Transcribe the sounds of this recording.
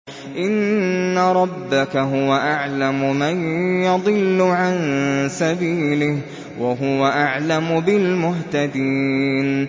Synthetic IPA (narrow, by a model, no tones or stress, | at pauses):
ʔɪnːaɾˤɑbːakaɦʊwaʔaʕlamʊmanjɑd̪ˤɨlːʊʕansabiːlɪh | waɦʊwaʔaʕlamʊbɪlmʊɦt̪ad̪iːn